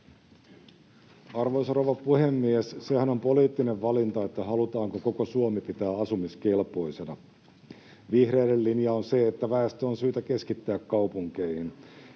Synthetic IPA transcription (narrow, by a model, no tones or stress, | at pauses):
ɑrʋo̞jsroʋɑpuhemːiesse̞hænompo̞liːt̪ːineʋːɑlint̪ɑet̪ːæɦɑlut̪ɑːŋkoko̞ko̞suomipit̪æːɑsumiskelpo̞isenɑ | ʋihre̞ːdelːinjɑonse̞ːt̪ːæʋæest̪oːnsyːt̪æke̞skit̪ːæːkːɑwpuŋk̟eihin